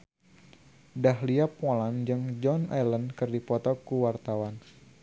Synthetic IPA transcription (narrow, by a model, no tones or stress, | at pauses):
dahliapɔland͡ʒɨŋd͡ʒɔnʔɛ̰lənkɨrdipɔt̪ɔkuwart̪awan